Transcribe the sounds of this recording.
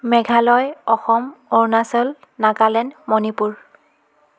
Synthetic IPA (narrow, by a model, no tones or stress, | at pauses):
mɛɡʱalɔjɔxɔmɔɹnasɔl | naɡalɛnmɔnipuɹ